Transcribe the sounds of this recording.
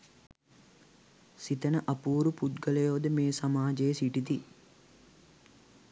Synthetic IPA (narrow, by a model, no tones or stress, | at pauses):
sit̪ənəʔɐpuːɾuput̪ɡələjoːd̪əmeːsamaːd͡ʒejəsiʈit̪i